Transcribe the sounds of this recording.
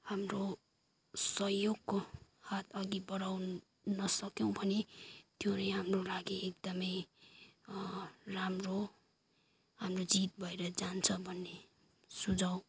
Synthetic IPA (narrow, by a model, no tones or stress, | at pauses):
hamro | sʌɦjoɡko | hat̪ʰʌɡibʌɽaw | nʌsʌkjʌw̃bʱʌnet̪jonʌjɦamrolaɡiek̚d̪ʌmʌj | ramro | hamrod͡zit̪̚bʱʌeɾʌd͡zant͡sʰʌbʱʌnːe | sud͡zaw̃